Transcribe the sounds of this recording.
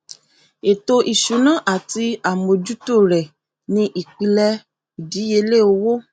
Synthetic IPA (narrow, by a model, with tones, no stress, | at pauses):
e˨to˧ʔi˨ʃu˨˦nã˦ʔa˦˨ti˧a˦˨mo˨d͡ʒu˦to˦˨ɾɛ˨ | nĩ˧ʔi˨k͡pi˧lɛ˧ | i˨di˨˦je˧le˦˨o˧wo˦